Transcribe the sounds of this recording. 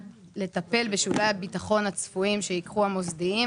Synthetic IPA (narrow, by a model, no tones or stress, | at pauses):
le̞t̪ape̞lbeʃulajabitaχo̞nhat͡sfuimʃe̞ikχuamo̞zd̪ii